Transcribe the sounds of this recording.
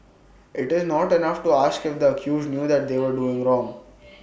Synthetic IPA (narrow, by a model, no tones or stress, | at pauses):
ʔɪʈɪznɔːʈɛnʌfʈuaːskɪfd̪əəkʰjuːzɖnjuːd̪æʈ̚d̪eːʋəɾɖuːɪ̃ŋɾɔ̃ːŋ